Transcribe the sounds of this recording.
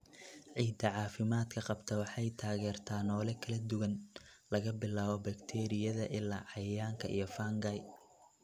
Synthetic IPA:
ʕiːd̪ɐʕɑːfɪmaːd̪kʰɐqɑbt̪ʰɐwɑħɑjt̪ʰaːɣɛːrt̪ʰaːnɔːlɛkʰɐlɐd̪ʊɣɐn | lɐɣɐbɪlaːβɔbɐkt̪ʰɛːɾɪjɐðɐʔɪlːa̰ːʕɑjaːŋkʰɐʔijɞfaːŋɡɐj

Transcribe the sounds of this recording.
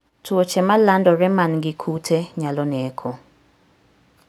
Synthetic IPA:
twot͡ʃɛmalandɔɾɛmanɡɪkʰutʰeɲalɔnɛkʰo

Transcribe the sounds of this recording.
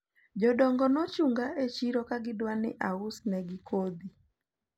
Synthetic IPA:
d͡ʒɔdɔŋɡɔnɔt͡ʃuŋɡaet͡ʃiɾɔkaɡɪdwanɪʔaʊsnɛɡɪkʰod̪i

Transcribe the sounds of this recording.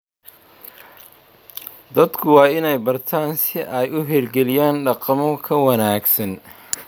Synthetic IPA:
d̪ɐd̪kʰʊwɑːɪnɛjbɐrt̪ʰaːnsɪʔɛjʊɦɛːlɡɛlɪjaːnɖɑqɑmɔkʰɐwɐnaːɡsɐn

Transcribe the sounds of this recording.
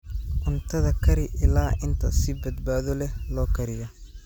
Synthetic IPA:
ʔʊnt̪ʰɐðɐkʰɐɾɪʔɪlaːʔɪnt̪ʰɐsɪbɐd̪baːðɔlɛlɔːkʰɐɾɪjɐ

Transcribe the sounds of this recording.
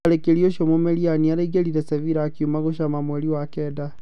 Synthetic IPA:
aɾekelioʃomomelianiaɾaiɡeɾiɾeseviɾaːkjumaɣoʃamamweliwakɛda

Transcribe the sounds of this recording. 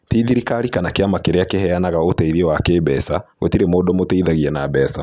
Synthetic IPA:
tiðiɾikaɾikanakeamakeɾeakehɛanaɣaotɛiðiewakeːbɛsaɣotiɾemoːdɔmoteiðaɣiɛnabɛsa

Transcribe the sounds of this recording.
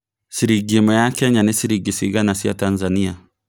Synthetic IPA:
siɾiɡimɛjakɛɲanisiɾiɡisiɡanasija̰tanzania

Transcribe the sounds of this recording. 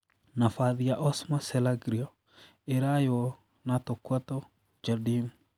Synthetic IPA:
nafaðiaʔɔsmasɛlaɡɾiɔ | eɾajɔ | natokwatɔ | d͡ʒadim

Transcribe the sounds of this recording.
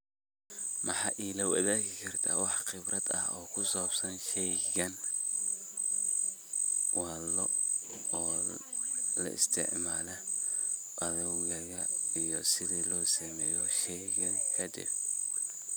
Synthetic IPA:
mɑħɑːʔiːlɐwɐ̰ðaːɣɪkʰɐrt̪ʰa̰ːwɑħχɪbɾʔɐd̪ɐ̰hɔːkʰʊsɔːbsɐnʃɛjɣɐn | wɑːlɔ | ɔː | lɐ̰ʔɪ̰st̪ʰɪ̰ʕmaːlɐ | ʔɐðɐwɣɐɣɐijɔsɪðiːlɔːsɐmɛːjɔʃɛjɣɐŋkʰɐd̪ɪ̰b̚

